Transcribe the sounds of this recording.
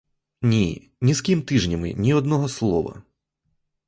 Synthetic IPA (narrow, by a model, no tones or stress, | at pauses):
nʲi | nʲiskʲimt̪ɪʒnʲɐmɪ̰nʲiɔd̪nɔɦɔslˠɔʋɐ̰